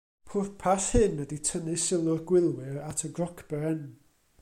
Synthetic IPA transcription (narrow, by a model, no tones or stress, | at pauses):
pʰʊrpʰaθhɨnːəditʰənɨsɪlˠʊrɡwɪlˠwɪɹatʰəɡrɔkʰb̥ɛɛn